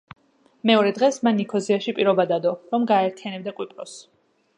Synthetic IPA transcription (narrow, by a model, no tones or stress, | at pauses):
mɛɔɾɛd̪ʁɛsmanːikʰɔziaʃipʼiɾɔbad̪ad̪ɔɾɔmɡaɛɾt̪ʰianɛbd̪akʼwipʼɾɔs